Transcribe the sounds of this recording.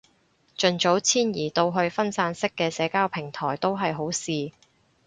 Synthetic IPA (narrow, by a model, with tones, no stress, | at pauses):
t͡ʃɵ˨˧nt͡so˨˥wt͡sʰiː˥njiː˨˩t̪o˧wɦɵ˧ɥfɐ˥nsaː˧nsɪ˥kːɛː˧sɛː˨˥kaː˥wpʰɪ˨˩ŋt̪ʰɔː˨˩jt̪o˥wɦɐ˨jɦo˨˥wsiː˨